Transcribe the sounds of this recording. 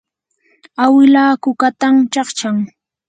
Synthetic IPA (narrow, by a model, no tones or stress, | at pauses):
awɪlaːkʊkat̪amt͡ʃɑχt͡ʃaŋ